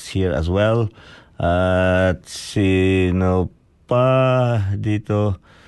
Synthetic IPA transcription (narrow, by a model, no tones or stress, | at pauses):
shiɹa̰s̬wɛlʔatsino | pa | d̪it̪o